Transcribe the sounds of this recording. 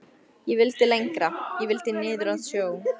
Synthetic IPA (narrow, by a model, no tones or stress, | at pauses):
jɛvɪlt̪ɪlejŋkɾajɛvɪlt̪ɪnɪːðɾaðsjoːw